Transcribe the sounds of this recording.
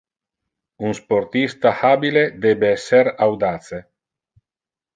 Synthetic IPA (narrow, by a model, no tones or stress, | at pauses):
unsport̪ist̪ahabiled̪ɛbeɛsːeɾawd̪aːt̪se